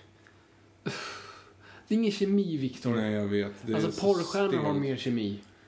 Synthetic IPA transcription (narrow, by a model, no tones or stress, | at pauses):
d̪̥ɛɾɪŋːənɕɛmiːvɪkt̪ʰʊɛjaveːt̪d̪ɛalsɔpʰɔɾɧæːɳahaɾmeːɾɕɛmiː